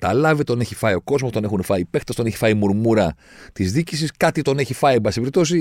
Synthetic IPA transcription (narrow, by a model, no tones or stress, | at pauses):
t̪ɐ̰lɐvit̪o̞ne̞çifɐio̞ko̞zmost̪o̞ne̞xunefɐipe̞xt̪ɐst̪o̞neçi̥fɐimuɾmuɾɐ | t̪izðicisiskɐt̪it̪o̞ne̞çifɐiebɐsipeɾipt̪o̞si